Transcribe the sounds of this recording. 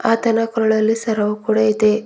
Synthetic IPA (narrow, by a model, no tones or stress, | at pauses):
aːt̪ɐnakɔɾɐɭɐlːisɐɾɐʋukuːɽaid̪e